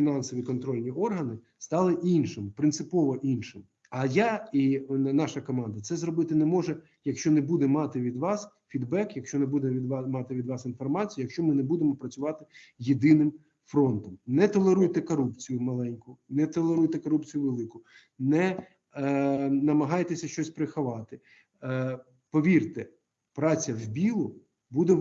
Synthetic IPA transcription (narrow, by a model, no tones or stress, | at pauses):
fʲinɑnsɔʋʲikɔnt̪ɾɔlʲnʲiʔɔrɦɐnɪ | st̪ɑlˠɪʔinʃɪmpɾɪnt̪sɪpɔʋɔʔinʃɪm | ɐjainɑʃɐkɔmɑnd̪ɐt̪sɛzɾɔbɪt̪ɪnɛmɔʒɛ | jɐkʃt͡ʃɔnɛbud̪ɛmɑt̪ɪʋʲid̪ʋɑs | fʲid̪bɛkjɐkʃt͡ʃɔnɛbud̪ɛʋʲid̪ʋmɑt̪ɪʋʲid̪ʋɑsin̪fɔrmɑt͡sʲijjɐkʃt͡ʃɔmɪnɛbud̪emɔpɾɐt͡sʲʊʋɑt̪ɪ | jed̪ɪnɪm | fɾɔnt̪ɔmnɛt̪ɔlˠeɾujt̪ɛkɔɾupt͡sʲijʊmɐlˠɛnʲkʊnɛt̪ɔlˠeɾujt̪ɛkɔɾupt͡sʲijʊʋelˠɪkʊ | nɛ | nɐmɐɦɑjt̪esʲɐʃt͡ʃɔsʲpɾɪxɐʋɑt̪ɪ | pɔʋʲirt̪ɛ | pɾɑt͡sʲːɐwbʲilˠʊ | bud̪ɛ